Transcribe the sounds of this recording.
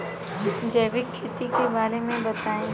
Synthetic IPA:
d͡ʒɛːʋɪkʰːet̪ikebaːɾemẽbɐt̪aːẽ

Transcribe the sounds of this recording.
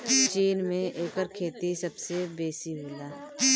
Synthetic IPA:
t͡ʃiːnmẽʔeːkəɾkʰeːt̪isɐbsebeːsiɦɪlaː

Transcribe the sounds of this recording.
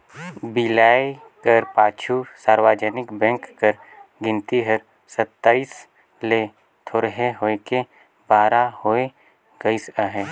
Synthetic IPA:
bɪlaːe | kəɾpaːt͡ʃʰusaːɾwaːd͡ʒənɪkbɛ̃ŋkːəɾ | ɡɪ̃nt̪iɦəɾ | sət̪ːaːis | le | t̪ʰoɾɦeɦoːeke | baːɾahoe | ɡəɪsəɦe

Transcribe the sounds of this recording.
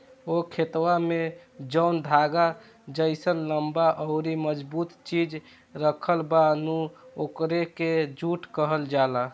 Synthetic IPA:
okʰet̪wamed͡ʒənd̪ʱaɡa | d͡ʒəɪsənləmbaʔɔʊɾiməd͡ʒbut̪t͡ʃid͡ʒ | ɾəkʰəlbanuokɾeked͡ʒuʈkəɦəld͡ʒala

